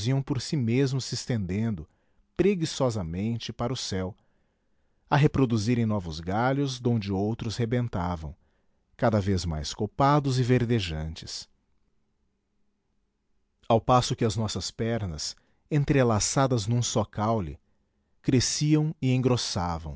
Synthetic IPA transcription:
ziɐ̃w̃poɾsimezmʊsɪst̪ẽnd̪ẽnd̪ʊ | pɾeɡisɔzɐmẽnt͡ʃɪpaɾʊsɛw | ɐɦepɾod̪uziɾẽj̃nɔvʊzɡaʎʊzd̪õnd͡ʒɪowt̪ɾʊshebẽnt̪avɐ̰̃w̃ | kad̪ɐvezma̰jskopad̪ʊzɪveɾd̪eʒɐ̰̃nt͡ʃɪ̥s | awpasʊkɪɐznɔsɐspɛɾnɐ̰s | ẽnt̪ɾelasad̪ɐznũsɔkawlɪ̰ | kɾesiɐ̃w̃ɪẽŋɡɾosa̰vɐ̰̃w̃

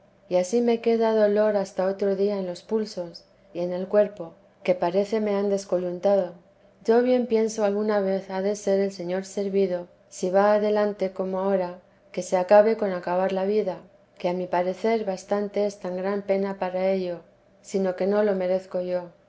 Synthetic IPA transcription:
iasime̞ke̞ðaðo̞lo̞ɾast̪ao̞t̪ɾo̞ðiaenlo̞spulso̞s | ie̞ne̞lkwe̞ɾpo̞ | ke̞paɾe̞θe̞me̞and̪e̞sko̞lunt̪að̞o̞ | ʝo̞βje̞mpje̞nsoalɣunaβe̞θaðe̞se̞ɾelse̞ɲo̞ɾse̞ɾβiðo̞ | siβaːðe̞lant̪e̞ko̞moao̞ɾa | ke̞se̞akaβe̞ko̞nakaβ̞aɾlaβ̞iða | ke̞amipaɾe̞θe̞ɾβast̪ant̪e̞est̪aŋɡɾampe̞napaɾae̞ʎo̞ | sino̞ke̞no̞lo̞me̞ɾe̞θko̞ʝo̞

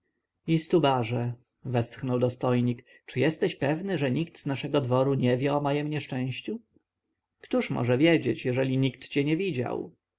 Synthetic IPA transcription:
ist̪ubaʐɛ | vɛst̪xnɔwd̪ɔst̪ɔjɲik | t͡ʂɘjɛst̪ɛɕpɛvnɘʐɛɲikt̪z̥naʂɛɡɔd̪vɔɾuɲɛvʲjɛɔmajɛmɲɛʂt͡ʂɛ̃w̃ɕt͡ɕu | kt̪uʂmɔ̰ʐɛvʲjɛd͡ʑet͡ɕjɛʐɛlʲiɲikt̪t͡ɕɛɲɛvʲid͡ʑa̰w

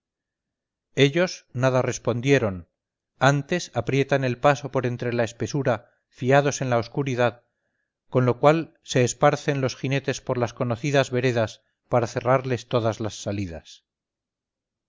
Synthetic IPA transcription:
e̞ʎo̞snaðare̞spo̞nd̪je̞ɾo̞n | ant̪e̞sapɾje̞t̪ane̞lpaso̞po̞ɾe̞nt̪ɾe̞lae̞spe̞suɾa | fiaðo̞se̞nlaoskuɾiðað | ko̞nlo̞kwal | se̞ːspaɾθe̞nlo̞sxine̞t̪e̞spo̞ɾlasko̞noθiðazβe̞ɾe̞ðas | paɾaθe̞raɾle̞st̪o̞ðazlasːaliðas

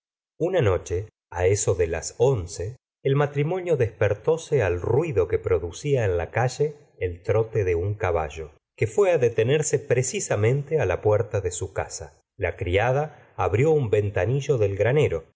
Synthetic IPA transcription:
unano̞t͡ʃe | a̰eso̞ðela̰so̞nseː | lmat̪ɾimo̞njo̞ðespeɾt̪o̞sealrwiðo̞ke̞pɾo̞ðusiaenlakaʒeː | lt̪ɾo̞t̪eðeuŋkaβa̰ʒo̞ | kefwe̞aðet̪e̞neɾse̞pɾesisamẽ̞nt̪ealapweɾt̪aðesuka̰sa | lakɾiað̞aː | βɾjo̞umbe̞nt̪aniʒo̞ðelɣɾane̞ɾo

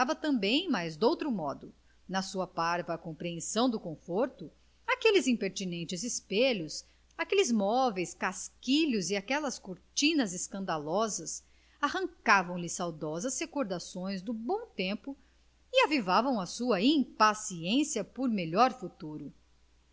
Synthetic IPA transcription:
avɐt̪ɐ̃mbẽj̃majzd̪owt̪ɾʊmɔd̪ʊ | nɐsuɐpaɾvɐkõmpɾiẽsɐ̃w̃d̪ʊkõfoɾt̪ʊ | akelɪzĩpeɾt͡ʃinẽnt͡ʃɪzɪspeʎʊs | akelɪzmɔvejskaskiʎʊziakɛlɐskoɾt͡ʃĩnɐzeskɐ̃nd̪alɔzɐs | ahɐ̃ŋkavɐ̃w̃lɪsawd̪ɔzɐshekoɾd̪asõj̃zd̪ʊbõw̃t̪ẽmpʊ | ɪavivavɐ̃w̃ɐsuɐĩpasiẽsiɐpoɾmelɔɾfut̪uɾʊ

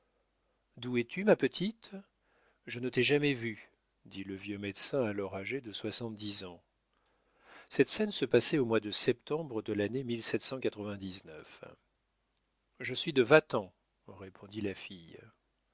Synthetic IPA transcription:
d̪uɛt̪ʰymapət̪ʰit̪ | ʒənət̪ɛʒamɛvy | d̪iləvjømɛd̪sɛ̃alɔʁaʒed̪əswasɑ̃t̪̚d̪izɑ̃ | sɛt̪sɛnsəpasɛomwad̪əsɛp̚t̪ɑ̃bʁəd̪əlanemilsɛt̪sɑ̃kat̪χəvɛ̃d̪iznœ̰f | ʒəsɥid̪əvat̪ɑ̃ | ʁepʰõd̪ilafij

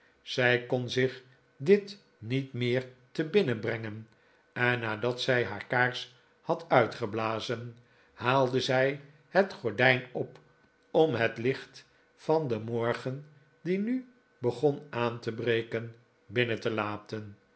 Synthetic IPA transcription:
z̥ɛjkɔnzɪχ | dɪt | nitmɪːɹtəbɪnəbrɛŋən | ɛnːaːdɑtsɛjɦaːɹkaːɹs | hɑtœɥtχəblaːzən | haːlˠdəzɛj | hətχɔɹdɛjnɔp | ɔmɦətlɪχt | fɑndəmɔɹχən | diny | bəχɔnaːntəbrejkən | bɪnətəlaːtən

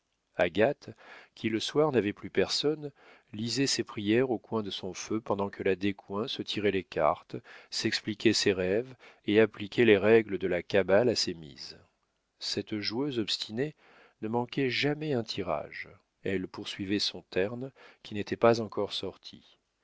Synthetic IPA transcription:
aɡat̪kʲʰiləswaʁnavɛplypɛʁsɔn | lizɛsepχijɛʁokwɛ̃d̪əsɔ̃føpɑ̃d̪ɑ̃kʰəlad̪ekwɛ̃sət̪ʰiʁɛleka̰ʁt̪sɛksplikʲɛseʁɛveaplikʲʰɛleʁɛɡləd̪əlakabalasemḭz | sɛt̪ʒuøzɔpst̪ʰine | nəmɑ̃kʲɛʒamɛɛ̃t̪ʰiʁa̰ʒ | ɛlpuʁsɥivɛsɔ̃t̪ɛʁnkʲinet̪ʰɛpazɑ̃kɔʁsɔʁt̪ʰḭ

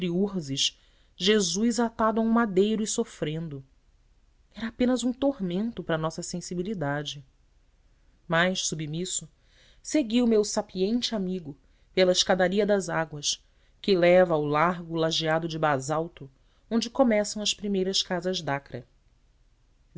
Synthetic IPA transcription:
ɾiuɾzɪʃ | ʒezujzat̪ad̪ʊaũmad̪ejɾʊɪsofɾẽnd̪ʊ | ɛɾɐapẽnɐzũt̪ohmẽnt̪ʊpɾɐnɔsɐsẽsibilid̪ad͡ʒɪ | majʃsubimisʊ | seɡiʊmewsapiẽnt͡ʃɪamiɡʊ | pelɐɪʃkad̪aɾiɐd̪ɐzaɡwɐʃ | kɪlɛvɐːwlaɾɡʊlaʒiad̪ʊd͡ʒɪbazawt̪ʊ | õnd͡ʒɪkomɛsɐ̃w̃ɐspɾimejɾɐskazɐzd̪akɾɐ

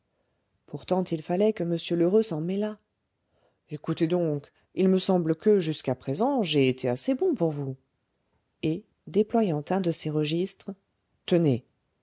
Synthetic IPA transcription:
puʁt̪ɑ̃t̪ilfalɛkəməsjøløʁøsɑ̃mɛla | ekut̪ed̪ɔ̃k | ilməsɑ̃blkəʒyskapχezɑ̃ʒeːt̪ʰeasebɔ̃puʁvu | e | d̪eplwajɑ̃t̪ɛ̃d̪əseʁəʒist̪χ | t̪əne

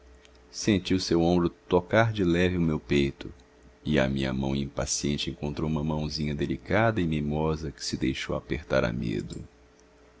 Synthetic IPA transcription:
sẽnt͡ʃiʊsewõmbɾʊt̪okaɾd͡ʒɪlɛvɪʊmewpejt̪ʊ | ɪa̰mĩɲɐ̰mɐ̃w̃ĩpa̰siẽnt͡ʃɪẽŋkõnt̪ɾowũmɐmɐ̃w̃zĩɲɐd̪elikad̪ɐɪmemɔzɐkɪ̥sɪd̪ejʃo̰wa̰peɾt̪a̰ɾa̰mḛd̪ʊ̰

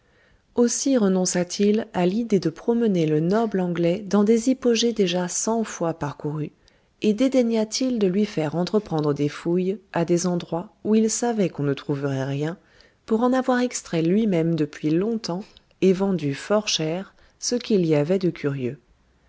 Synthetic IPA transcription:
osiʁənɔ̃sat̪ʰilalid̪ed̪əpχɔmənelənɔblɑ̃ɡlɛd̪ɑ̃d̪ezipoʒed̪eʒasɑ̃fwapaʁkuʁy | ed̪ed̪eɲat̪ʰild̪əlɥifɛʁɑ̃t̪χəpχɑ̃d̪ʁəd̪efujad̪ezɑ̃d̪ʁwauilsavɛkɔ̃nət̪χuvəʁɛʁjɛ̃ | puʁɑ̃navwaʁɛkst̪χɛlɥimɛmd̪əpɥilɔ̃t̪ɑ̃ | evɑ̃d̪yfɔʁʃɛʁ | səkʲiliavɛd̪əkʰʲyʁjø

